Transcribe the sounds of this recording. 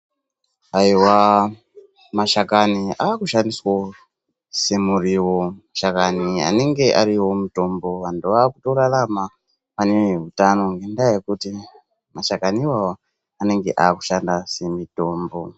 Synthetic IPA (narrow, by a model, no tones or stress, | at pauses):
aiwa | maʃakaniʔaːkuʃandiswo | se̞muriwomaʃakania̰ne̞ŋɡe̞ʔaɾiwo̞muto̞mbo̞ʋantʰuʋaːkutorarama | paneɦutano̞ŋɡendajekuti | maʃakaniwao | ane̞ŋɡe̞ʔaːku̥ʃandase̞mito̞ːmbo̞